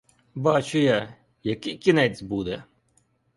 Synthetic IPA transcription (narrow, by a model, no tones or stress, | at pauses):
bɑt͡ʃʊja | jɐkɪkʲinɛt͡sʲbud̪ɛ